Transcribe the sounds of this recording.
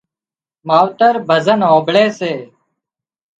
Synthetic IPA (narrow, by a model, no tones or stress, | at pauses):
maːʋt̪əɾbʱəzənɦoːbɭeːseː